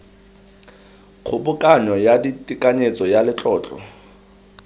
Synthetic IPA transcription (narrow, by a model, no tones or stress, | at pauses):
q͡χʰʊbʊkʼanɔjaditʼikʼaɲet͡sʼɔjalɪt͡ɬʼɔːt͡ɬʼɔ̰